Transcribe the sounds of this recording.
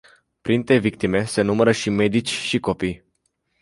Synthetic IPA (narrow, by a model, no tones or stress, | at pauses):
pɾint̪e̞vik̚t̪ime̞se̞numəɾəʃime̞d̪it͡ʃʲʃiko̞pij